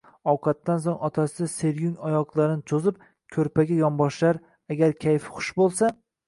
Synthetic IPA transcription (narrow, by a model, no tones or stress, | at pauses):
ɒwqʰɑt̪ːans̬oŋɒt̪ʰasɪd̪ase̞ɾjʊŋɒjɒqlˠaɾɪnɪt͡ʃʰozɪp̚ | kʲʰɵɾpaɡʲajɒmbɒʃlaɾ | aɡʲaɾkʲʰajfχʊ̥ʃbolˠsa